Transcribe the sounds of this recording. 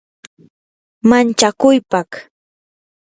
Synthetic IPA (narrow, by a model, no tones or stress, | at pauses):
mant͡ʃakʊjpak